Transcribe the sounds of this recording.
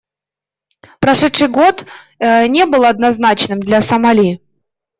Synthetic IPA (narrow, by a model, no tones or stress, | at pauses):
pɾɐʂɛt̪ʂɨjɡo̞t̪ | nʲe̞bɨlˠɐd̪nɐznat͡ɕnɨmd̪lʲɐsɐmɐlʲi